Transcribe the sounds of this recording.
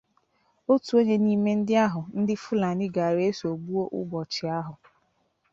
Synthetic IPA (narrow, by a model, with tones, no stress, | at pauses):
o˦tu˨o˦ɲe˦ni˦me˦n̩˦dɪ˦a˦ɦʊ˨n̩˦dɪ˦fʊ˦la˨nɪ˦ɡa˨ɾe˦so˨bu˦o˦ʔʊ̰˦bɔ˨t͡ʃɪ˨a˦ɦʊ˨